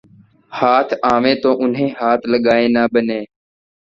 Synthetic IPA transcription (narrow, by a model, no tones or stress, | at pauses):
haːt̪ʰaːʋẽːt̪oːʔʊnɦẽːɦaːt̪ʰləɠaːẽːnaːɓəneː